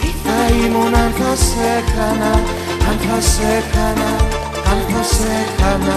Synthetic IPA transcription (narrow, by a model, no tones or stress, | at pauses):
aimunantʰasekʰana | antʰasekʰana | antʰasekʰana